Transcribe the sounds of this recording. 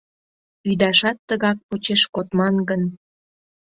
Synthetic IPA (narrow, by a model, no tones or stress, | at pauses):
yd̪ɑʃɑt̪ːəɣɑk̚pot͡ɕeʃkot̪mɑnɡən